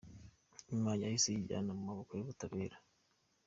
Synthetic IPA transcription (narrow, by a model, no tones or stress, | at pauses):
ɲmaːɲahisiiɟa̰namumaβokojoβutaβeːɾḁ